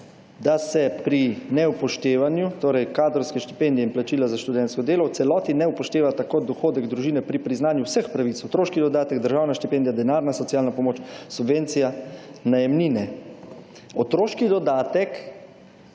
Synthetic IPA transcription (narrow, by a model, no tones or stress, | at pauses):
d̪asɛpɾinɛupɔʃt̪eːʋanjut̪oːɾɛjkaːd̪ɾɔwskɛʃt̪i̥pend̪iɛinplat͡ʃiːlazaʃt̪ud̪ɛnt̪skɔd̪eːlɔwt̪sɛlɔːt̪inɛupɔʃt̪eːʋat̪akod̪ɔxoːd̪ɛɡd̪ɾuʒiːnɛpɾipɾiznaːnjuwsəxpɾaʋit̪sɔt̪ɾoːʃkid̪ɔd̪aːt̪ɛɡd̪əɾʒaːwnaʃt̪ipeːnd̪ijad̪ɛnaːɾnasɔtsjalnapɔmoːt͡ʃsubʋent̪sijanajɛmninɛ | ɔt̪ɾoːʃkid̪ɔd̪aːt̪ɛk